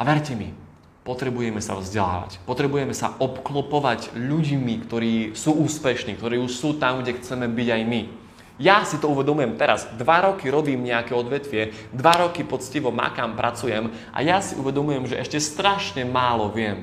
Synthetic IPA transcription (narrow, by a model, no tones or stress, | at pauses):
aʋɛɾcɛmḭ | pɔt̪ɾɛbujɛmɛsa̰vzɟɛla̰ːʋa̰cpɔt̪ɾɛbujɛmɛsa̰ʔɔpklɔpɔʋaɟʎuɟmikt̪ɔɾiːsuːuːspɛʃniːkt̪ɔɾɛːuʃsuːt̪amɡɟɛxt͡sɛmɛbiɟajmi | jasit̪ɔuʋɛd̪ɔmujɛmt̪ɛɾazd̪ʋaɾɔkiɾɔbiːmɲɛakɛɔd̪ʋɛt̪ʋɪɛ | d̪ʋaɾɔkipɔt̪t͡sciʋɔma̰kaːmpɾʔat͡sujɛm | ʔa̰jasiʔṵʋɛd̪ɔmujɛmʒɛʔɛʃcɛst̪ɾaʃɲɛmaːlɔʋɪɛm